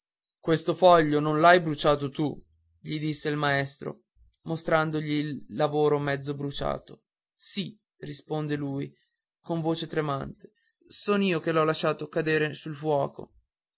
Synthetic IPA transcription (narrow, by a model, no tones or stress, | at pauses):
kwest̪ofɔʎːononlajbɾut͡ʃaːt̪ot̪u | ʎid̪isːeilmaest̪ɾo̰ | most̪ɾand̪oʎiːlːavoːɾomɛd̪zːobɾut͡ʃa̰ːt̪o | si | rispond̪eluːj | koɱvoːt͡ʃet̪ɾemant̪e̥ | soːnoiːokelɔlaʃːaːt̪okad̪eːɾesulfwɔːko̰